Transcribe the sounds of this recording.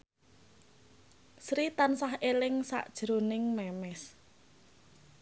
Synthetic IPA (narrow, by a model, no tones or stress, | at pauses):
sɾit̪ansaɦʔelɪŋsa̰ʔd̥ʒ̥ɾonɪŋmɛmɛs